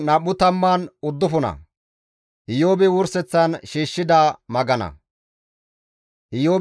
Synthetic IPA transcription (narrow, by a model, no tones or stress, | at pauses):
nɐɓːʊt̪ɐmːaːnʊd̪ːʊfʊnɐ̰ | ʔɪjoːbɛwʊɾsɛt͡sːɐnʃiːʃːɪd̪aːmɐɡɐnɐ̰ | ʔɪjoːb